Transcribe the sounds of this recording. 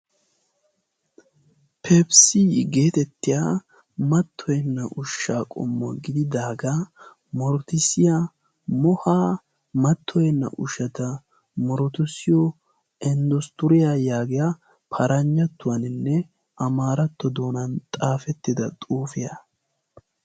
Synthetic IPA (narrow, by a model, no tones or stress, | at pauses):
pʰɛbsiɡeːt̪ɛt̪ːɪjaː | mɐt̪ʰːɔjɛnːɐʔʊʃːaːkʼɔ̰mːɔɡɪd̪ɪd̪aːɡa | mɔɾɔt̪ɪsɪja | mɔhaː | mɐt̪ʰːɔjɛnːɐ̰ʔʊʃɐt̪ɐ | mɔɾɔt̪ʊsːɪjɔ | ɛnd̪ɔst̪ʊɾɪjajaːɡɪja | pʰɐɾʔɐɲːɐt̪ːʊwɐnɪnːɛ | ʔɐmaːɾɐt̪ːɔd̪oːnɐnt̪ʼaːfɛt̪ːɪd̪ɐt̪ʼuːfɪjɐ